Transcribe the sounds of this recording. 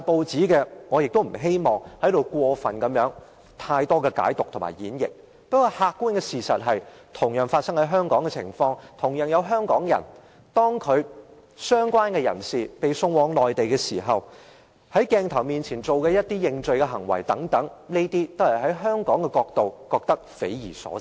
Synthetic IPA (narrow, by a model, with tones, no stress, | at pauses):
a˧po˨˧wt͡siː˨˥kɛː˧ŋɔː˨˧jɪ˨k̚t̪o˥wm̩˨˩ɦe˥jmɔː˨ŋhɐ˨˥jd̪o˨wkʷɔː˧fɐ˨nkɐ˨˥mjœː˨˥ŋ | t̪ʰaː˧jt̪ɔː˥kɛː˧ka̰ː˨˥jt̪ʊ˨k̚t̪ʰʊ˨˩ma̰ː˨˩jjiː˨˥njɪ̰˨k̚ | pɐ˥t̚kːɔː˧haː˧kːuː˥nkɛː˧siː˨sɐ˨t̚ɦɐ˨j | t̪ʰʊ˨˩ŋjœː˨˩ŋfaː˧t̚sɐ˥ŋhɐ˨˥jɦœː˥ŋkɔː˨˥ŋkɛ˧t͡sʰɪ̰˨˩ŋfɔː˧ŋt̪ʰʊ˨˩ŋjœː˨˩ŋjɐ˨˧wɦœː˥ŋkɔː˨˥ŋjɐ̰˨˩n | t̪ɔː˥ŋkʰɵ˨˧ɥ | sœː˥ŋkwaː˥nkɛː˧jɐ̰˨˩nsiː˨˩pe˨jsʊ˧ŋwɔː˨˥ŋlɔː˨jt̪e˨jkɛː˧siː˨˩ɦɐ˨w | hɐ˨˥jkɛː˧ŋt̪ʰɐ˨˩wmiː˨nt͡sʰiː˨˩nt͡so˨wkɛː˧jɐ˥t̚t̪iː˥jɪ˧ŋt͡sɵ˨ɥkɛ˧ɦɐ˨˩ŋwɐ̰˨˩jt̪ɐ˨˥ŋt̪ɐ˨˥ŋne˥jt̪iː˥t̪o˥hɐ˨˩jɦɐ˨˥jɦœː˥ŋkɔː˨˥ŋkɛ˧kɔː˧k̚t̪o˨wkɔː˧k̚t̪ɐ˥k̚fḛ˨˥jjiː˨˩sɔ̰ː˨˦˨